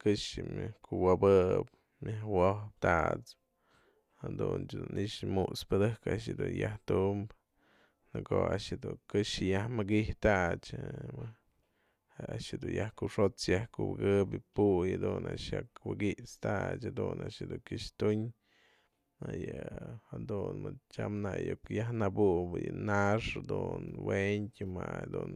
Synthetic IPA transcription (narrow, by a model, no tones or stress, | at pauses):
kɨʂɨmʲakʰuwabɨp | mʲahwohp̚t̪at͡s | had̪unt͡ʃd̪uniʂmuʔspɨd̪ɨkaʔʃɨd̪unjaht̪umb | nɨkoa̰ʔʃɨd̪ukɨʃɨjahmɨɡiht̪aʔt͡ʃ | aʃɨd̪unjahkuʂot͡sjahkubɨɡɨbjɨpujad̪unaʔʃjakwɨɡiʔt͡st̪at͡ʃhad̪unaʃɨd̪uŋkʲɨʂt̪uɲ | ajɨhad̪unmɨt͡ʃamnajokjahnabuʔbɨjɨnaʂad̪unweɲtʲɨmaad̪ṵn